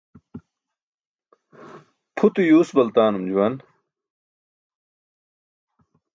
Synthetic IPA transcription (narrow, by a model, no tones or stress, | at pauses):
pʰut̪ujuːsbɐlt̪aːnumd͡ʑuwɐn